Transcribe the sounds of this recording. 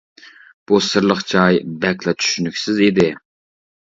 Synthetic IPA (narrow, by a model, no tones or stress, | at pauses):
b̥usɨɾlˠəχt͡ʃʰɑjbɛklˠɛt͡ʃ̪ʰy̥ʃynykʲsɪzid̪ɪ